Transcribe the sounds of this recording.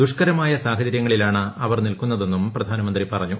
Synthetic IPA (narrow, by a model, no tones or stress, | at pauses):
d̪uʂkɐɾɐmaːjɐsaːɦɐd͡ʑɐɾjɐŋːɐɭilaːɳɨɐʋɐrnilkunːɐðe̞nːumprɐd̪ʱaːnɐmɐnd̪ripɐrɐɲːu